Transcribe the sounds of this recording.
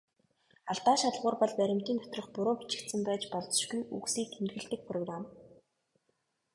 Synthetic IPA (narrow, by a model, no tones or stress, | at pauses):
aɮt̪aːʃat̪ɮʁʊːrpɔɮpæɾʲɪ̆m̥t̪iːnt̪ʰɔ̥t̪rɞ̆χpʊɾoːpi̥t͡ɕɪ̆kt̪sɘ̆mpæːt͡ɕpɔɮt͡s̆ʃɡujṵksiːkxenɣɘ̆ɮt̪ɘ̆k̚pʰrɔɣram